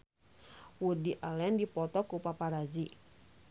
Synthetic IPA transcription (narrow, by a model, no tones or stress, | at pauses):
wudiʔalɛndipɔt̪ɔkupapaɾad͡ʒi